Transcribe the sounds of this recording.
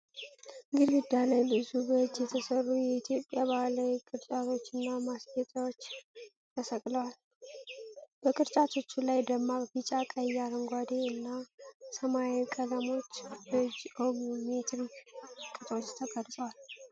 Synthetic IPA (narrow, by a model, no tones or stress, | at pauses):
ɡɨɾɡɨd̪aləjlɨsubəd͡ʒːjɛt̪ʰəsərːujɛit̪ʰijo̞pʼːjaβalakʼɨɾt͡ʃʼat̪ʰo̞t͡ʃːɨnːamasɡɛt̪ʼawo̞t͡ʃː | t̪ʰəsəkʼləwal | b̥əkʼɨɾt͡ʃʼat̪ʰo̞t͡ʃːulajd̪əmːaβbit͡ʃʼakʼəjaɾəŋɡʷad̪eɨnːasəmaekʼələmo̞t͡ʃːbəd͡ʒoɡumet̪ʰɾikʼɨt̪ʼot͡ʃːt̪ʰəɡʼəɾzʼwal